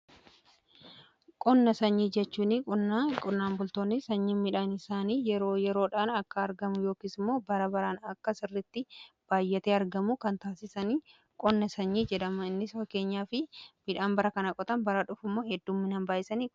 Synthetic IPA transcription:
kʼɔnːɐsɐɲːiːd͡ʒɛt͡ʃːuːnikʼʊkʼʊnːaːmbʊlt̪o̞ːnːɪsɐɲːinmɪᶑaːnɪsaːniːjɛɾoːjɛɾo̞ːᶑaːnɐkːɐːɾɡɐmʊjo̞ːkiːsɪmːoːbɐɾɐbɐɾaːnɐkːɐsɪrːɪt̪ːɪ | b̥aːjːɛt̪eːɐɾɡɐmʊkɐnt̪aːsɪsɐniː | kʼɔnːɐsɐɲːiːd͡ʒɛᶑɐmɐɪnːɪsfɐkːe̞ːɲːaːfɪmɪᶑaːmbɐɾɐkɐnɐkʼɔt̪ɐnbɐɾɐᶑʊfʊmːo̞ːhɛd̪ːumːɪnɐmbaːʔɪsɐniː

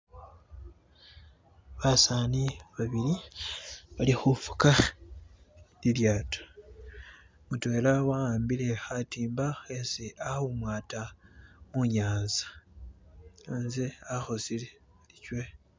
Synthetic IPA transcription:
βasaːniβaβiɾi | βalixufu̥ka | liljaːto̥ | mutwe̞ːlawaaːmbile̞xatiːmbaxesiʔahomwaːtamuɲaːnzḁ | anzeaxosile | licwe̞

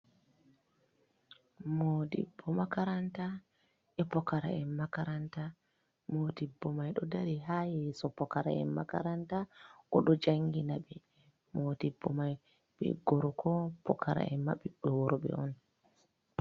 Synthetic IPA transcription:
moːdḭbːɔmakaɾanta | ʔɛpɔkaɾa̰ɛnmakaɾanta | modibːɔmajɗɔdaɾiɦajɛsɔpɔkaɾa̰ɛ̰nmaka̰ɾantakɔɗɔd͡ʒaŋɡinaɓɛ | moːdibːɔmaj | ɓɛ̰ɡɔɾɔkʰɔpɔkʰaɾa̰ɛma̰ɓiɓɛwɔɾɔɓɛ̰ɔn

